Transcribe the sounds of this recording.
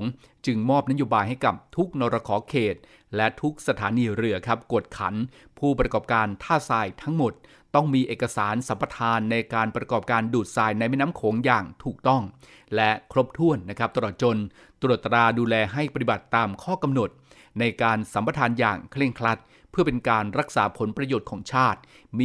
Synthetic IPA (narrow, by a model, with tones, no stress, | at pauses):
ŋ | t͡ɕɯ˧ŋmɔː˥˩p̚na˦˥joː˧baː˧jha˥˩jka˨˩p̚t̪ʰu˦˥k̚no˧ɾa˧kʰɔː˩˦kʰeː˨˩t̪̚ | lɛ˦˥t̪ʰu˦˥k̚sa˧t̪ʰaː˩˦niː˧ɾɯ˨˩əkʰa˦˥p̚ku˨˩ət̪̚kʰa̰˩˦n | pʰuː˥˩pɾa˧kɔː˨˩p̚kaː˧nt̪ʰaː˥˩saː˧jt̪ʰa˦˥ŋmo˨˩t̪̚ | t̪ɔ˥˩ŋmiː˧ʔeː˨˩kːa˧saː˩˦nsa˩˦mpa˧t̪ʰaː˧nːa˧jkaː˧npɾa˧kɔː˨˩p̚kaː˧nduː˨˩t̪̚saː˧jna˧jmɛ˥˩na˦˥mkʰoː˩˦ŋjaː˨˩ŋt̪ʰuː˨˩k̚t̪ɔ˥˩ŋ | lɛ˦˥kʰɾo˦˥p̚t̪ʰu˥˩ənːa˦˥kʰɾa˦˥p̚t̪a˧ɾɔː˨˩t̪̚t͡ɕo˧n | t̪ɾu˨˩t̪ːɾaː˧duː˧lɛː˧ɦa˥˩jpa˧t̪i˨ba˨˩t̪ːaː˧mkʰɔː˥˩ka˧mno˨˩t̪̚ | na˧jkaː˧nsa˩˦mpa˧t̪ʰaː˧njaː˨˩ŋkʰli˥˩əŋkʰɾa˦˥t̪̚ | pʰɯ˥˩ɐpe˧nkaː˧nɾa˦˥k̚sa̰ː˩˦pʰo˨˩˦npɾa˧joː˨˩t̪̚kʰɔː˩˦ŋt͡ɕʰaː˥˩t̪̚ | mː